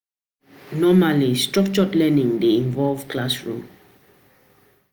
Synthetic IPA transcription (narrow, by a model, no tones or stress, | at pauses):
nɔmalistɹɔkt͡ʃɔtlɛnĩŋdeĩnvɔlvklasɹṵ̃m